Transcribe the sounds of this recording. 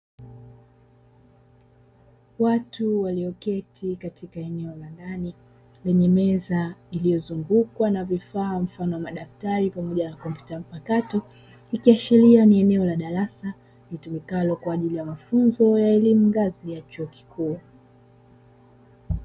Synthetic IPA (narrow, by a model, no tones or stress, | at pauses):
watuwaliɔkɛtʰikatʰikaɛnɛɔlandani | lɛɲɛmɛzailijɔzuŋɡukwanavifaːm̩fanɔwamaɗaftaɾipamɔʄanakɔmpu̥tam̩pakatɔ | ikiaʃilianiɛnɛɔlaɗaɾasa | nitumikalɔkwaːʄilijamafunzɔjaɛlimuŋɡazijat͡ʃuɔki̥kʰuː